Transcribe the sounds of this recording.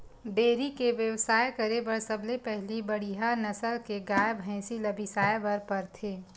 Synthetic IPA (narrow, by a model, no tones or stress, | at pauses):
ɖeːɾikeʋjɐʋsaːjkəɾebɐɾsɐblepɛɦlibɐɽ̤iɦanɐsəlkeɡaːjəbɦɛ̃ːsilɐbʱisaːjbɐɾpɐɾt̪ʰeː